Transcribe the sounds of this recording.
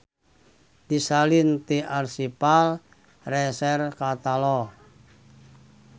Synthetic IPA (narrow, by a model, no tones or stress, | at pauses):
d̪̥isalint̪iʔarsipal | rɛsɛrkat̪alɔ